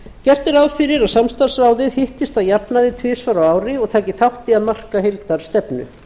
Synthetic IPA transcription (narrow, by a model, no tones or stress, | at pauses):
cɛr̥t̪ɪɾawðfɪɾɪɾaðsamst̪ar̥sɾaːwðɪðhɪht̪ɪst̪aðjapnaðɪt̪ʰvɪːsvaɾawaːwɾɪɔɣt̪ʰaːcɪθawht̪ɪaðmar̥kaɦelt̪aɾ̥st̪ɛpnʏ̰